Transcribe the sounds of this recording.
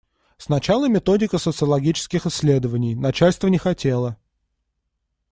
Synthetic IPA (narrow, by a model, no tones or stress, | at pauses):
snɐt͡ɕalˠəmʲɪt̪o̞dʲɪkəsət̪sɨəlˠɐɡʲit͡ɕɪ̥skʲɪxɪsʲːlʲe̞d̪əvənʲɪjnɐt͡ɕæalʲst̪vənʲɪxɐtʲe̞lˠə